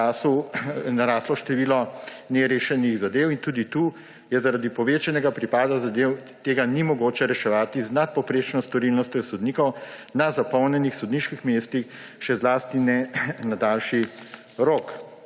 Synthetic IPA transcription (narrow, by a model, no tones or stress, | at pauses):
sunaɾaːslɔʃt̪ɛʋiːlɔnɛɾeːʃɛniɣzad̪eːwint̪uːd̪it̪uː | jɛzaɾad̪ipɔʋeːt͡ʃɛnɛɡapɾipaːd̪azad̪eːwt̪eːɡanimɔɡoːt͡ʃɛɾɛʃɛʋaːt̪iznat̪̚pɔpɾeːt͡ʃnɔst̪ɔɾilnɔst̪jɛsɔd̪niːkɔwnazapɔwnjɛnixsɔd̪niːʃkixmeːst̪ixʃɛzlaːst̪inɛnad̪aːlʃi | ɾoːk